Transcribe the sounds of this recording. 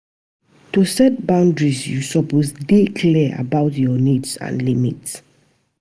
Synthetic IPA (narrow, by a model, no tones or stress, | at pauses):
tusɛt̚bãʊ̃ndɹisjusɔposdikʰlɛa̰baʊtjɔnidsã̰nlimits